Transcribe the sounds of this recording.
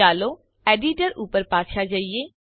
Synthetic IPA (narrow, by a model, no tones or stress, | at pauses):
aːlo | eːɖiʈəɾuːpəɾpaːʃʰad͡ʒaːieː